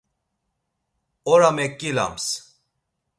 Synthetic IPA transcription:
ɔɾamekːila̰ms

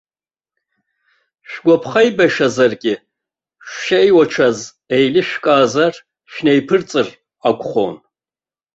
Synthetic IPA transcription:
ɕʷᶣɡʷɔpʰχɐjbɐʃɐzɐrɡʲʼɪ | ʃʷʃɐjwɐʈ͡ʂʰɐz | ejlɨʃᶣkʼaːzɐr | ʃnejpʰɨrt͡sʼɨr | aɡʷʼχʷo̰n

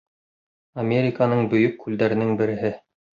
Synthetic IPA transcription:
ɐmʲeɾʲɪkanɤɴbɵ̆jɵkːʉld̪æɾɘ̆nɘŋbɘ̆ɾɘ̆ɦɘ

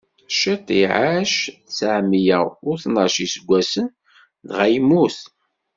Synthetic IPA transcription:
ʃit̪ˤiʕaʃsaʕmijæʊɾθnɑʃisəɡʷːæsən | ðʁæjmːuθ

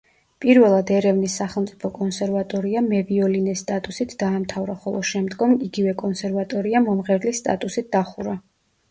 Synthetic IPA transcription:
pʼiɾvɛlˠad̪ɛɾɛvnisːaχɛlˠmt̪sʼipʰɔkʼɔnsɛɾvat̪ʼɔɾiamɛviɔlinɛst̪ʼat̪ʼusit̪ʰd̪̥aːmt̪ʰavɾaχɔlˠɔ̰ʃɛmd̪ɡɔmiɡivɛkʼɔnsɛɾvat̪ʼɔɾiamɔmʁɛɾlisːt̪ʼa̰t̪ʼusit̪̚d̪̥aχuɾa

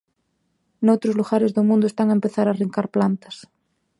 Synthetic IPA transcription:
nowt̪ɾozluɣaɾezðomũnd̪oest̪aŋaempeθaɾariŋkaɾplant̪ḁs

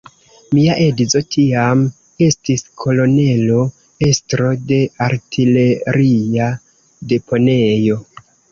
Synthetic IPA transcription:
miaʔe̞dizo̞tʰiam | e̞stiskʰo̞lo̞ne̞lo̞ | e̞stɾo̞de̞aɾtʰile̞ɾia | de̞po̞ne̞jo̞

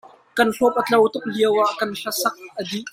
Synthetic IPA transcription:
kɐnɬɔp̚ʔət͡ɬɐwt̪ʊk̚liəwaʔkɐnɬɐsɐk̚ʔədiʔ

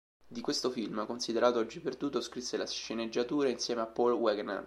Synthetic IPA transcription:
d̪ikwest̪ofilmkonsid̪eɾaːt̪oɔd͡ʒːiperd̪uːt̪ːoskɾisːelasʃened͡ʒːat̪uːɾainsjɛːmeapːɔlwɛɡna̰r

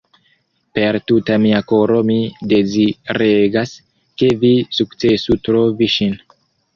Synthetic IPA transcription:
pe̞ɾtutamiako̞ɾo̞mide̞ziɾe̞ɡas | ke̞visukt͡se̞sutɾo̞viʃin

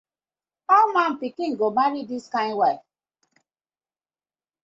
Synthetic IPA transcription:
ɔmam̩pikĩŋɡomaɾidiskajnwa

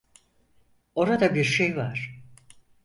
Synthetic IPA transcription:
o̞ɾad̪abiɾʃejvaɾ̥

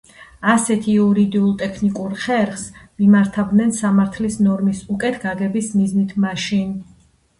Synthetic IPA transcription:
asɛt̪ʰiuɾid̪iulˠt̪ʼɛkʰnikʼuɾχɛɾχsmimaɾt̪ʰavd̪nɛnsamaɾt̪ʰlisnɔɾmisukʼɛt̪ʰɡaɡɛbismiznit̪ʰmaʃin

